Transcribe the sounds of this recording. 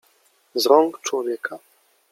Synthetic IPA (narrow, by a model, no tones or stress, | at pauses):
zɾɔŋkt͡ʂwɔvʲjɛkʰa